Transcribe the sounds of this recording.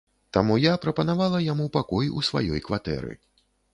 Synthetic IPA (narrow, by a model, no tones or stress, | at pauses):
t̪amujapɾɐpɐn̪avalˠɐjamupakɔjṵsva̰jɔ̰jkvat̪ɛ̰ɾɨ̰